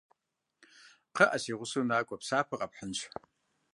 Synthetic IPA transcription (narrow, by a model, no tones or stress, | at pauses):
qʰəʔasiʁʷʊsɨnaːkʷʼapsaːpʰɨqʼapħənt͡ʃʷʰ